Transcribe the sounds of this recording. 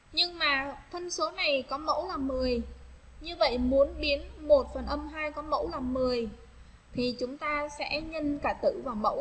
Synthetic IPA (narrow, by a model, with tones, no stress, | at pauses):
ɲɨ˧ŋmaː˨˩t̪ʰə˧nso˨˦na˨˩jkɔ˨˦mə̰˧˥wlaː˨˩mɨ˨˩əj | ɲɨ˧və̰˧˨jmu˨˦ənɓi˨˦ənmo˨˩t̚fə˨˩nʔə˧mɦaː˧jkɔ˨˦mə̰˧˥wlaː˨˩mɨ˨˩əj | t̪ʰi˨˩t͡ɕʊ˨˦ŋ͡mt̪aː˧sɛ̰˧˥ɲə˧nkaː˧˩t̪ɨ̰˧˨vaː˨˩wmə̰˧˥w